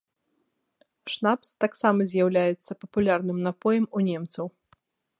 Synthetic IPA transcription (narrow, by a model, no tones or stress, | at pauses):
ʂnapst̪aksamɐzʲjawlʲajɛt̪sːɐpɐpulʲarnɨmnapɔjɐmunʲɛmt̪sɐw